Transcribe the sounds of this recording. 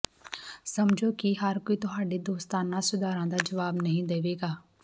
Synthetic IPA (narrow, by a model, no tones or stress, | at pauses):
səmd͡ʒʱoːkiɦəɾkoit̪ʊɦaːɖid̪oːst̪aːnãsʊd̪ʱaːɾãːd̪aːd͡ʒəʋaːbnəɦĩd̪eːʋeːɡaː